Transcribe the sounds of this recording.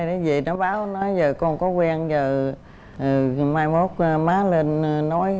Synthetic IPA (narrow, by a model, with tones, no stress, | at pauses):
jɗa˨˦zḭ˨nɔ˨˦jɓaː˨˦wnɔ˨˦jzəː˨˩kɔ˧nkɔ˨˦kwɛ˧nzəː˨˩˨ | maː˧jmo˦˥t̚maː˨˦˥lə˧nnɔ˨˦j